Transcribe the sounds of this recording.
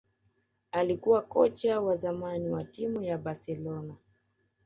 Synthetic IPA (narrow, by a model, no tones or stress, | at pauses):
alikuwakɔt͡ʃawazamaniwatimujabasɛlɔna